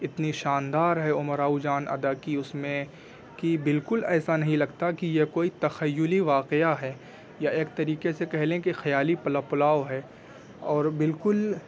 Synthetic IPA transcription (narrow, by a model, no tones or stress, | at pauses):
ɪt̪niʃaːnd̪aːɾɦɛʊməɾaːud͡ʒaːnɐ̰d̪akiʊsmẽ | kibɪlkʊlɛːsanɐɦĩlɐɡt̪akijekoːit̪ɐxəjːʊliʋaːqeaɦɛː | jaeːkt̪ɐɾiːqesekɛɦlẽkixɐjaːlipɐlapʊlaːoɦɛ | ɔːɾbɪlkʊl